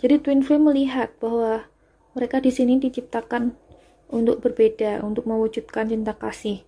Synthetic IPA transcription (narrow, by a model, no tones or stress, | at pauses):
d͡ʒadit̪winfeməliɦat̪̚b̥ahwa | məɾekadisinidit͡ʃip̚t̪akan | unt̪ʊk̚bərbedaṵnt̪ʊk̚məwud͡ʒut̪̚kant͡ʃint̪akasɪh